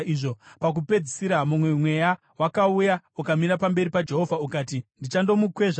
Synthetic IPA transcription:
iʐo̞pak̬upe̞d͡zisiɾamumwe̞mwe̞ja | wakauja | ukamiɾapambe̞ɾipad͡ʒe̞ɦo̞vʱaukaːtindit͡ʃando̞mukwe̞ʐa

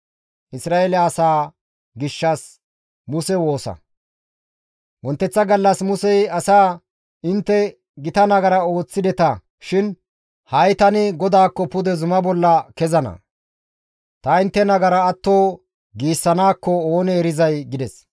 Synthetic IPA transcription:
ʔɪsɾaːelɐːsaː | ɡɪʃːɐs | mʊsɛwo̞ːsɐ̰ | wɔnt̪ːɛt͡sːɐɡɐlːɐsmʊsɛjɐsaː | ɪnt̪ːɛ | ɡɪt̪ɐnɐɡɐɾɐo̞ːt͡sːɪd̪ɛt̪ɐ | ʃɪn | hɐjt̪ɐnɪɡɔd̪aːkːɔpʊd̪ɛzʊmɐbɔlːɐkɛzɐnɐ̰ | t̪ɐɪnt̪ːɛnɐɡɐɾɐːt̪ːo̞ː | ɡiːsːɐnaːkːɔoːnɛːɾɪzɐjɡɪd̪ɛs

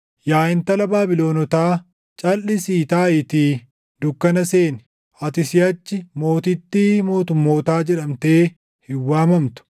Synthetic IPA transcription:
jaːɪnt̪ɐlɐbaːbɪlo̞ːnɔt̪aː | t͡ʃʼɐlːɪsiːt̪aːɪt̪iː | d̪ʊkːɐnɐse̞ːnɪ | ɐt̪ɪsɪɐt͡ʃːɪmo̞ːt̪ɪt̪ːiːmo̞ːt̪ʊmːo̞ːt̪aːd͡ʒɛᶑɐmt̪eː | hɪwːaːmɐmt̪ʊ̥

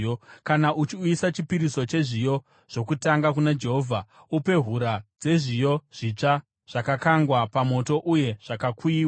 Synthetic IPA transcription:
kanaʔut͡ʃiuisat͡ʃipiɾiso̞t͡ʃe̞ʐijo̞ | ʐ̥o̞kutaŋɡakunad͡ʒe̞ɦoːvʱa | upe̞ɦuɾad͡ze̞ʐijo̞ʐ̥it͡ʂa | ʐ̥akakaŋɡwapamo̞to̞ʔuje̞ʐ̥akakuiːwa

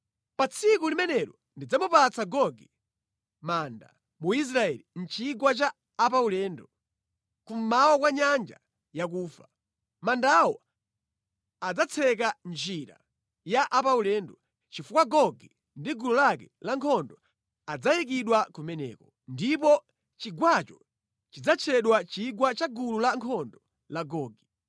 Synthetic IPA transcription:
pat͡sʰikulimɛnɛɾɔ | ndid͡zamupat͡sʰaɡɔɡɛ | manda̰ | muis̬ɾaɛlin̩t͡ʃiɡwat͡ʃaː | paulɛndɔ | kum̩mawɔkwaɲand͡ʒa̰ | jak̬uːfa | mandawɔ | ad͡zat͡sʰɛk̬and͡ʒiɾa̰ | jaʔapaulɛndɔ | t͡ʃifukwaɡɔɡɛ | ndiɡulɔlakɛlaŋkʰɔndɔ | ad͡zajik̬iɗwakumɛnɛ̰ːkɔ | ndip̬ɔ | t͡ʃiɡwat͡ʃɔ | t͡ʃid͡zat͡ʃʰɛɗwat͡ʃiɡwat͡ʃaɡululaŋkʰɔndɔ | laɡɔːɡi

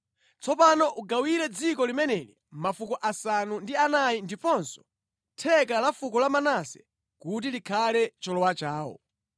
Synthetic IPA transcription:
t͡sɔpanɔʔuɡawiɾɛd͡zikɔlimɛnɛli | mafukɔʔasanundianajindipɔnsɔ̥ | tʰɛkalafukɔlamanasɛ | kut̬ilikʰalɛt͡ʃɔlɔwat͡ʃaːwɔ̰

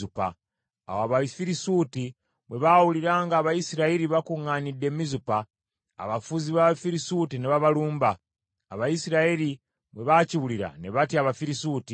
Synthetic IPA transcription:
upa̰ | a̰woaβafiɾisuti | βwe̞βawuliɾaːŋɡaːβajisiɾaeɾiβakuŋːaːnidːe̞mizupa̰ː | βafuziβaβafiɾisutineβaβaluːmbaː | βajisiɾaeɾi | βwe̞βaciβuliɾa̰ne̞βatiaβafiɾisuːti

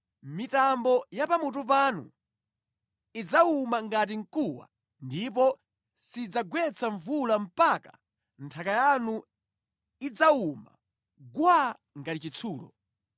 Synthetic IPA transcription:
mitambɔjapamut̬up̬anṵ | id͡zaumaŋɡat̬iŋ̩kuwa̰ | ndip̬ɔ | sid͡zaɡwɛt͡sʰaɱvulam̩paka | ntʰakajanu | id͡zauma̰ | ɡwa | ŋɡatit͡ʃit͡sʰuːlɔ̰

